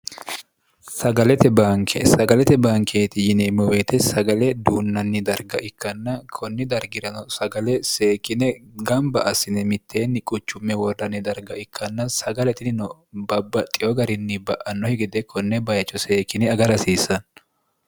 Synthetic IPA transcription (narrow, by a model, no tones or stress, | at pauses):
sɐɡɐlɛt̪ɛbaŋkʰesɐɡɐlɛt̪ɛbaːŋkʰeːt̪ɪjɪnɛmɔweːt̪ɛsɐɡɐlɛd̪uːnːɐnːɪd̪ɐɾɡɐʔɪkːɐnːɐkʰɔnːɪd̪ɐɾɡɪɾɐnɔsɐɡɐlɛseːkːɪnɛɡɐmbɐʔɐsɪnɛmɪt̪ʰːe̞ːnːɪkʼʊt͡ʃːʊmːɛwɔrɐnːɪd̪ɐɾɡɐɪkʰːɐnːɐsɐɡɐlɛt̪ɪnɪnɔbɐbːɐt̪ʼːɪɔɡɐɾɪnːɪbɐʔɐnːɔhɛɡɪd̪ɛkʰɔnːɛbɐjɐt͡ʃːɔse̞ːkːɪnɛɐɡɐɾɐsiːsːɐn